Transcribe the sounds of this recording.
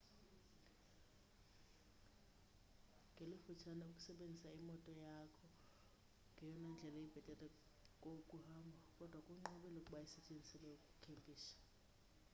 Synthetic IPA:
ŋɡʱelifut͡ʃʰanaukʼu̥sɛɓend͡zʱisaimɔtʼɔjakʰɔ | ŋʱɛjɔnɛnd͡ɮʱɛlaib̥ʱɛtʼɛlʼɛ | kʼokʼuhaːmbʱakʼɔd̥ʱwakʼuŋ͡ǃɔɓɛlokʼuɓajɛsɛt͡ʃʼend͡zʱisɛlɛukʼu̥kʰempʰʼiːsḁ

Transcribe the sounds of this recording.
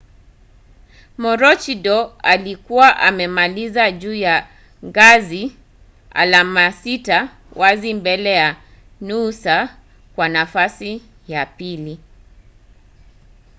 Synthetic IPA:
mɔɾɔt͡ʃidɔalikuwaʔamɛmalizaʄuːja | ŋɡazi | a̰lamasita | wazimbɛlɛja | nusa | kwanafasi | japili

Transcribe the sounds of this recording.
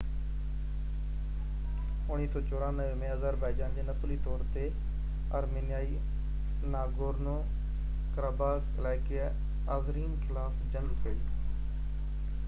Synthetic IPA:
ʊniːt̪õːt͡ʃoːɾãːnəʋeːmẽːɦəzaːɾbaːid͡ʒãːnd̪eːnəpʰliːt̪ɔːɾt̪eː | ə̰ɾmeːnɪjaːiː | naːɡoːɾnõː | kəɾaːbaːkəlaːjkɪa | aːzɾiːnkʰɪlaːfd͡ʒənkəiː

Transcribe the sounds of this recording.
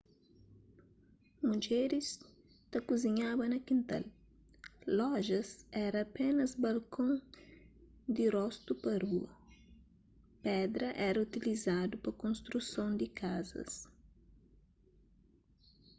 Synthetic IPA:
mud͡ʒɛɾis | t̪ɐkuziɲabɐnɐkĩnt̪a̰l | lɔʒɐsɛɾɐːpɛnɐzbɐlkʰõŋ | d̪irɔst̪upɐruɐ | pɛd̪ɾɐʔɛɾɐut̪ilizad̪upɐkõnst̪ɾusõnd̪ikʰazɐ̰s

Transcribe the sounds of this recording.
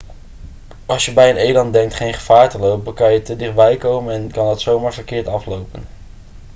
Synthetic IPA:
ʔɑlˠsjəbɛjənejlɑnddɛŋk̚tχejnχəv̥aːɹtəlowpəkɑnjətədɪχ̚bɛjkowmənɛnkɑndɑtsowmaːɹvəɹkɪːɹtɑflowpən

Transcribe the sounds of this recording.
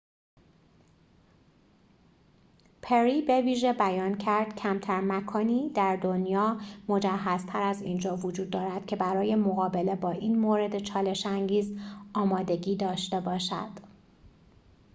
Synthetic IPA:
pʰe̞ɾibe̞viːʒe̞bæjɒːncʰæɾd̪̥cʰæmt̪ʰæɾmækʰɒːniːd̪æɾd̪o̞njɒːmo̞d͡ʒæɦːæz̥t̪ʰæɾæziːnd͡ʒɒːvod͡ʒuːd̪ːɒːɾæd̪̥cʰe̞bæɾɒːje̞mo̞ɣɒːbe̞le̞bɒːʔiːnmoːɾe̞d̪e̞t͡ʃʰɒːle̞ʃæŋɟiːzɒːmɒːd̪e̞ɟiːd̪ɒːʃt̪e̞bɒːʃæ̰d̪̥

